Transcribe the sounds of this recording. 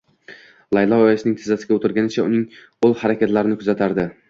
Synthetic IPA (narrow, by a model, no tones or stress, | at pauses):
lˠajlˠɒɒjasɪnɪŋʲt̪ʰɪzːasɪɡʲaot̪ʰɪɾɡʲanɪt͡ʃʰaʊ̰nɪŋ | olˠhaɾakʲat̪laɾɪnɪkʰʊzat̪ʰaɾd̪ɪ